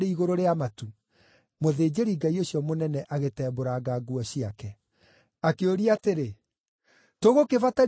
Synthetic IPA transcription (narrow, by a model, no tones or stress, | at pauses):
ɾeiɣoɾoɾeamatu | moðeːd͡ʑeɾiŋɡaioɕiɔmonɛnɛʔaɣetɛːboɾaɡaɡwɔɕiakɛ | akeoɾiateɾe | toɣokevata